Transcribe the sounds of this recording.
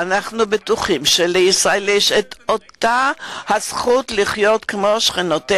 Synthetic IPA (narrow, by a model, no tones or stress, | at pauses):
anaχnubetuχimʃeleisʁaeljeʃet̪o̞t̪ahasχutliχjo̞tkemo̞ʃχinote